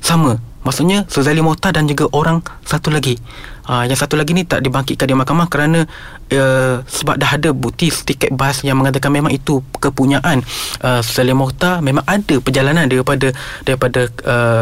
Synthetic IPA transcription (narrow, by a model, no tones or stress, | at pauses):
saməmaʔsuʔɲasozalimɔt̪adand͡ʒuɡaʔoɾaŋ | sat̪ulaɡi | əjaŋsat̪ulaɡinĩt̪a̰ʔdibaŋkitʔkandimakamakəɾanə̃ | əsəba̰p̚daɦadəbut̪isə̥t̪ikɛt̪̚basjaŋməŋat̪akanmẽmãŋit̪ukəpuɲaʔanʔəsozalimɔrt̪amẽmãŋadəpərd͡ʒalanandaɾipadadaɾipadaə